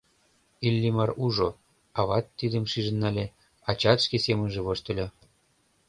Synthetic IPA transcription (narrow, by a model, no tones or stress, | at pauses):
ilʲːimɑruʒo | ɑβɑt̪ːid̪ə̆mʃiʒə̆nːɑlʲe | ɑt͡ɕɑt̪ʃkesemə̆nʒeβoʃt̪ə̆lʲɤ